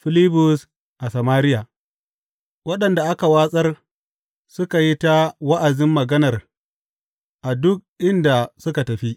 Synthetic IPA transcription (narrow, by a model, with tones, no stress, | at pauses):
ɸɪ˦li˦bʊ˦s | ʔa˨sɐ˨maː˦ɾɪ˦jaː˨ | wɐ˦ɗɐ˨nda˨ʔa˦ka˨waː˦sʼɐ˦r | sʊ˦ka˨ji˦ta˦wɐ˦ʔa˨zɪ˦mːɐ˨ɡɐ˦nɐ˨r | ʔa˨dʊ˦k̚ʔɪ˦nda˨sʊ˦ka˨tɐ˨ɸi˦ʔ